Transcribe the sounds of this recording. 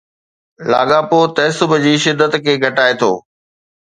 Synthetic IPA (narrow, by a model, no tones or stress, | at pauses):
la̰ːɡaːpoːt̪ɐɦsʊbʱd͡ʑiːʃɪd̪ʱːət̪kʰeːɡʱɐʈaːet̪ʰo̰ː